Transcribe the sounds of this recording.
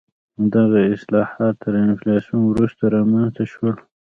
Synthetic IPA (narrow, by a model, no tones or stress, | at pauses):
d̪aɣaɪslɑhɑt̪ːəɾɪnflɑsijunwɾust̪aɾɑmanzt̪aʃwəl